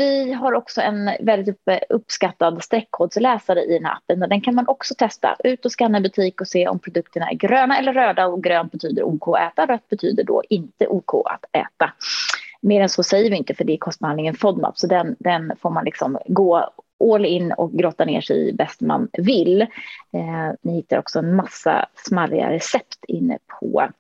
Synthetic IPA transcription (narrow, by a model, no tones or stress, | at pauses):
vɪɦaɾɔksɔɛ̰nvɛld̪ɪt̪ɵpːskat̪ːad̪st̪ɾɛkʰːoːd̪slɛːsaɾəʔɪ̰d̪ɛnhæ̰ɾa̰pːənɛd̪ɛnkʰanmanʔɔksɔt̪ʰɛst̪a̰ʔʉ̟ːt̪ɔskanːəbɵt̪ʰiːkɔseːʔɔ̰mpʰɾʊd̪ɵk̚t̪əɳaæ̰ɾɡɾøːnaɛlːəɾːøːd̪aɔɡɾøːnt̪̚bɛt̪ʰyːd̪əɾʔuːkʰoːɛːt̪aɾœt̪̚bɛt̪ʰyːd̪əɖo̰ːʔɪnt̪əʔuːkʰo̰ːʔa̰t̪ɛ̰ːt̪a | meːɾɛnsɔsɛjːəɾvɪɪnt̪əfœɖɛːkʰɔst̪̚bhanɪŋənfɔd̪ma̰pːsɔd̪ɛnd̪ɛnfoːɾmanlɪksɔmɡoːʔoːlɪnːɔ̰k̚ɡɾoːt̪anḛːʂɛ̰jbɛst̪ma̰nvɪlː | nɪhɪt̪ːaɾɔ̰ksɔɛnmasːa̰smaɾɪ̰a̰ɾɛsɛpt̪ʰɪnːə̰pʰɔ̰